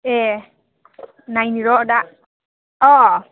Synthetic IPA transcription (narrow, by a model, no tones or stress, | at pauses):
ɛ | najniɹɔdaʔ | ɔ